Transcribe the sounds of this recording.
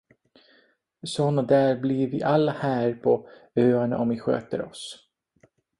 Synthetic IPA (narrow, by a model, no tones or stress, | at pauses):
sɔnad̪æːɾblɪɾvɪʔalːahæːɾpʰɔøːaɳa̰ʔɔmvɪɧø̰ːt̪ə̰ɾɔ̰s